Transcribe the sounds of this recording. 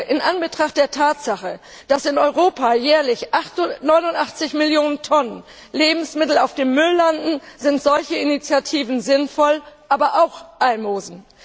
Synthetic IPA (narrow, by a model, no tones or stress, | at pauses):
ʔɪnʔanbətʁ̥aχt̚d̥eːɐtʰaːtz̥aχə | d̥asɪnɔʏʁoːpʰajɛːɐlɪçʔaχtnɔʏnʊntʔaχt͡sɪçmɪljoːnəntʰɔnən | leːbm̩smɪtl̩aʊfd̥eːmːʏlːandn̩zɪntz̥ɔlçəinit͡sjatʰiːvn̩zɪnfɔlʔaːbɐʔaʊxʔalmoːzn̩